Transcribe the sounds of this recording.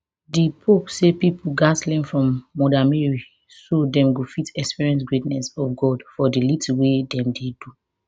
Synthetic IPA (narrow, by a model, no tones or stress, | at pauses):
dipʰopsepipʰuɡaslĩnfɹɔ̃mːɔdameɹi | sodɛ̃mɡofitɛkspiɹiɛ̃ns̬ɡɹetnɛsɔfɡɔdfɔdilitiwedɛ̃mdedu